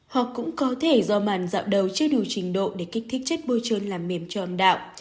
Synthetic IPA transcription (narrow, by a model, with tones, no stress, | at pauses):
hɔ̰˧˨kʊ̰˧˥ŋ͡mkɔ˨˦t̪ʰe˧˩zɔ˧maː˨˩nza̰ː˧˨wɗə˨˩wt͡ɕɨ˧əɗu˨˩t͡ɕï˨˩ŋ̟ɗo̰˧˨ɗe˧˩kai˦˥k̚t̪ʰi˦˥k̟̚t͡ɕə˦˥k̚ɓo˧t͡ɕəː˧nlaː˨˩mːi˨˧˩əmt͡ɕɔ˧ʔə˧˩mɗa̰ː˧˨wʔ